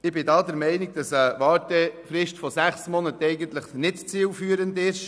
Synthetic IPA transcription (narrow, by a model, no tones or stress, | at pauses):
ɪbɪdɑːdəɾmɛɪniɡ̚d̥ɑsəʋɑːɾtɛfɾɪʃtfɔsæχsmɔnətɛɪɡənt̪ləχnɪtt͡siːlfyːəɾəndɪʃ